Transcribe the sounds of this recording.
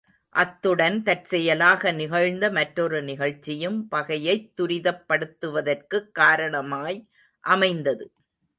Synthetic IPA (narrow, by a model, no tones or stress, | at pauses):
ʔɐt̪ːɯɽɐnt̪ɐʈsɛjɐlaːɣɐnɪɣɐɻnd̪ɐmɐʈɾɔɾɯnɪɣɐɻt͡ʃːɪjɯmpɐɣɐjɐɪt̪ːʊɾɪðɐpːɐɽɯt̪ːɯʋɐðɐrkɯkːaːɾɐɳɐmaːj | ʔɐmɐɪnd̪ɐðɯ